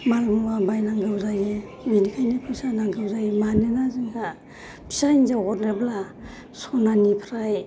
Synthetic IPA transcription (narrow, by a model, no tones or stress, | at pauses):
malmuwabajnaŋɡɯwzaje | binikʰajnipʰisanaŋɡɯwzajimanɯnazɯŋkʰa | pʰi̥sainzaɔtnebla | sɔnanipʰɾaj